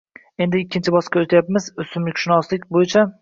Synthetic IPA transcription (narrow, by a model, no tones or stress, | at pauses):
e̞nd̪ɪːkʲʰːɪnt͡ʃʰɪbɒskʲaot̪ʰajap̚mɪzʊsɪmlɪkʲʃʊnɒslɪkʲbojɪt͡ʃʰa